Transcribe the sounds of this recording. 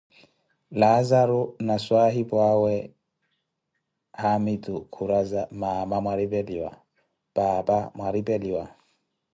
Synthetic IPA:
lazaɾʊnaswaɦipʼwawɛ | hamitʼukʰuɾazamamamwaɾipʼɛliwa̰ | pʼaːpʼamwaɾipʼɛliwa

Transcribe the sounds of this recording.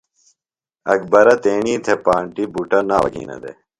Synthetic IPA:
ɐkbɐɾɐt̪eːɳ̃iːt̪ʰepaːɳʈibuʈɐna̰ːʋɐ̰ɡʱḭːnɐ̰d̪ḛ

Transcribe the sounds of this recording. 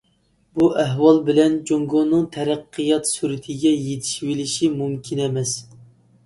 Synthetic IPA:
buʔæɦwɑlˠbɪlɛnd͡ʒoŋɡonːɨŋt̪ʰɛɾæqʰːɨjɑt̪suɾɪt̪ʰɪɡʲɛjet̪ʰɪ̥ʃwelɪʃimumkʲʰinɛmɛs

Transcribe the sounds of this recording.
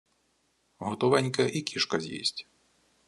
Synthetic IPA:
ɦɔt̪ɔʋɛnʲkɐʔikʲʰiʃkɐzʲjḭsʲtʲ

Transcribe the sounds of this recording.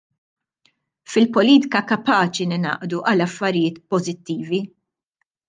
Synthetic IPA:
fɪlpɔliːt̪ɪ̥kɐkɐpɐːt͡ʃinɪnɐ̰ːʔd̪uʔɐlɐfːɐɾɪjɪːt̪pɔzɪt̪ːiːvi

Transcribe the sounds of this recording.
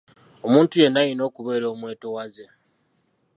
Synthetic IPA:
o̞muːntuje̞nːajino̞ːkuβe̞ːɾo̞ːmwe̞ːto̞waze

